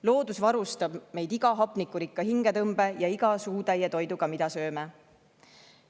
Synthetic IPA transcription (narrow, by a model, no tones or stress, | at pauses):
lo̞ːd̪usvɑɾust̪ɑb̥me̞jd̪̥iɡ̥ɑɦɑpːˑnikːuɾikːɑɦiŋɡ̥e̞t̪ɤmb̥e̞jɑiɡ̥ɑsuːd̪ejet̪o̞jd̪uɡ̥ɑmid̪ɑsø̞ːme